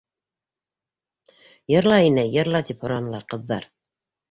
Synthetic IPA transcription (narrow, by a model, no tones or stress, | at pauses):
jɤ̆ɾlˠɑinɘjɤ̆ɾlˠɑt̪iphŏɾɑnɤ̆lˠɑqɤ̆ðːɑ̰ɾ